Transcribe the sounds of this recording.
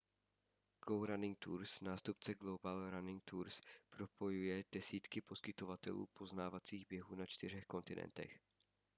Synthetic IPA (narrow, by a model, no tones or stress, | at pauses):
ɡ̥owɾanɪŋ̚t̪uːɾsnaːst̪up̚t͡sɛɡlo̞balɾanɪŋk̚t̪uɾspɾo̞po̞jujɛd̥ɛsiːt̪kɪpo̞skɪt̪o̞vat̪ɛ̰lṵːpʰo̞znaːvat͡siːɣbjɛɦuːnat͡ʃt̪ɪr̝ɛxko̞nt̪ɪnʔɛ̰nt̪ɛ̰x